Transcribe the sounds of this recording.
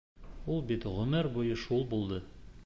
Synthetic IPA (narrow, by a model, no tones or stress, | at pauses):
ulˠbit̪ʁɵ̆mæɾbujɤʃulˠbulˠd̪ɤ